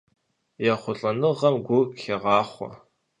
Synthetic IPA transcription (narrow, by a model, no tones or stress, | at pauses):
jɛχʷʊɬʼɐnɨʁɐmɡʷʊxeʁɑːχʷɔ̰